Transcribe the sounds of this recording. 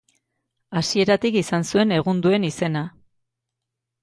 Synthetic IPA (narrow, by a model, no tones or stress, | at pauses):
asie̞ɾat̪ikisansue̞ne̞ɣ̞und̪ue̞nise̞na